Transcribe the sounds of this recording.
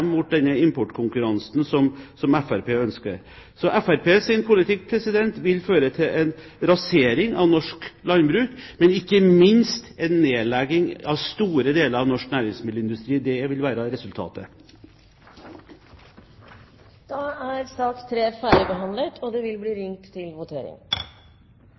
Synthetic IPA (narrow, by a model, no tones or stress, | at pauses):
mmʊt̪̚d̪ɛnːəɪmpʰɔʈːkʰʊŋkʉɾɑnsnsɔmsɔmɛfæɾpeːœnskə̰ɾ | sɔʔɛfæɾpeːsɪnpʰʊlɪt̪ʰɪkːpʰɾɛsɪd̪ɛnt̪ʋɪlføːɾət̪ʰɪlʔɛnɾɑseːɾɪŋɑ̰ʋnɔʂklɑnbɾʉːkmɛnɪkːəmɪnst̪ɛnːeːlɛɡɪŋɑʋst̪uːɾəd̪eːləɾɑʋnɔʂknæːɾɪŋsmɪd̪ləɪnd̪ʉst̪ɾiːd̪ɛjæʋɪlʋæːɾəɾɛsʉlt̪ʰɑ̰ːt̪ə̰ | d̪̥ɑæɾst̪ɑːt̪st̪ʰɾeːfæːɾɪbəɦɑnd̪lət̪ʰɔd̪ɛʋɪlbliːɾɪŋt̪ʰːɪlʋʊt̪ʰeːɾɪ̰ŋ